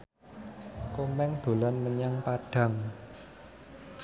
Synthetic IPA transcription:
komɛŋd̪̥o̤lanməɲaŋpaɖ̥ä̤ŋ

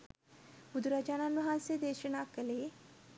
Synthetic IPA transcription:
bʊd̪ɾaːd͡ʒaːnanʊɦãsed̪eːʃənakəleː

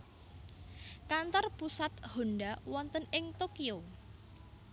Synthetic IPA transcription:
kant̪ɔrpusat̪̚ho̤nɖawɔnt̪ənɪŋt̪okio

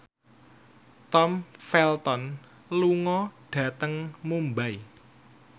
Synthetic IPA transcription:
t̪ɔmfɛlt̪ɔn | luŋɔɖ̥ä̤t̪əŋmumbaj

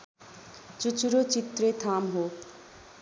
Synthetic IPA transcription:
t͡ʃut͡ʃuɾot͡ʃit̪ːɾet̪ʰamɦo

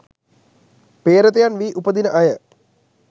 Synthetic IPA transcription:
peːɾət̪ejanʋiːʔupəd̪inəʔajə

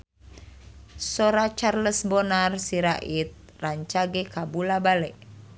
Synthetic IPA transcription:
sɔɾat͡ʃarləsbɔnarsiɾaʔit̪̚ | raɲt͡ʃaɡɛkabulabalɛʔ

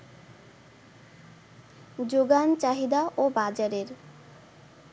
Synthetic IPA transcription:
d͡ʑoɡant͡ɕaɦid̪aʔobad͡ʑaɾeɾ

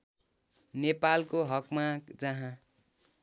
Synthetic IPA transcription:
nepalkoɦʌkmad͡zʌɦã

